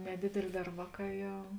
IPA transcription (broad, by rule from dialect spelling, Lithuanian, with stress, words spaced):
nʲɛˈdʲeːdʲeːlʲeː ˈdɐr ˈʋɑːˌkɑː ˈjɛʊ